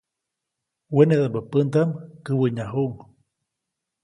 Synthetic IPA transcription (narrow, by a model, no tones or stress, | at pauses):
weneðabəpənt̪amkɨwəɲaɦuʔŋ